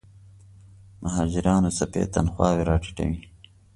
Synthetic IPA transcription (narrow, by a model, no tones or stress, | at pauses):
mʔaɦɑːd͡ʒɪɾɑːnosɐpḛːt̪ɐnxwɑːwiɾɑːʈi̥ʈɐ̰wi